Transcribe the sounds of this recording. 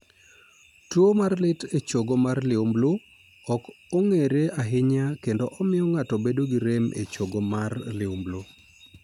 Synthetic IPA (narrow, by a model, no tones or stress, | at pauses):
twomarlɪtet͡ʃoɡomarlɪumblo | ɔkɔŋeɾeaɦɪɲakendoʔɔmɪɔŋatɔbedoɡiɾemʔḛt͡ʃoɡomarlɪumblo